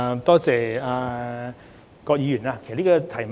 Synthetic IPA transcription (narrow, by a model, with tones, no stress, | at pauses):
t̪ɔː˥t͡sɛː˨a˨˧ | kɔː˧k̚jiː˨˧jy˨˩naː˧kʰe˨˩liː˥kɔ˧t̪ʰɐ˨˩jm